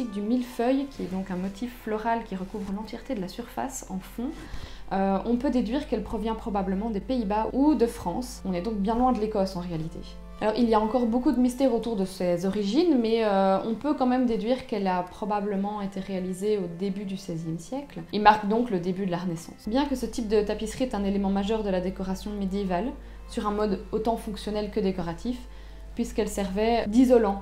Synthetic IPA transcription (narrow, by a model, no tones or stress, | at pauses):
ik̚d̪ymilfœjkʲʰiɛd̪ɔ̃kɛ̃mɔt̪ʰifːlɔʁalkʲiʁəkuvʁlɑ̃t̪jɛʁt̪ed̪əlasyʁfa̰sɑ̰̃fɔ̃ | øɔ̃pød̪ed̪ɥiʁkɛlpχɔvjɛ̃pχɔbabləmɑ̃d̪epeibaud̪əfχɑ̃sɔ̃nɛd̪ɔ̃k̚bjɛ̃lwɛ̃d̪əlekɔsɑ̃ʁealit̪ʰḛ | alɔʁilijaɑ̃kɔʁbokud̪əmist̪ɛʁot̪uʁd̪əsɛzɔʁiʒinmɛøɔ̰̃pøkɑ̃mɛmd̪ed̪ɥiʁkɛlapχɔbabləmɑ̃et̪eʁealizeod̪ebyd̪ysɛzjɛmsjɛklemaʁkd̪ɔ̃kləd̪ebyd̪əlaʁənɛsɑ̰̃sbjɛ̃kəsət̪ip̚d̪ət̪apisχiɛt̪ɛ̃nelemɑ̃maʒœʁd̪əlad̪ekɔʁasjɔ̃med̪jeval | syʁɛ̃mɔd̪ot̪ɑ̃fɔ̃ksjɔnɛlkəd̪ekɔʁat̪ʰif | pɥiskɛlsɛʁvɛd̪izɔlɑ̃